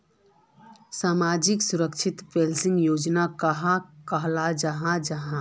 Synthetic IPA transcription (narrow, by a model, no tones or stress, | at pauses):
saːmad͡ʒiksuɾəkt͡ʃʰɪt̪pelsɪ̃ŋɡjod͡ʒnakəɦãkəɦlad͡ʒəɦãd͡ʒəɦã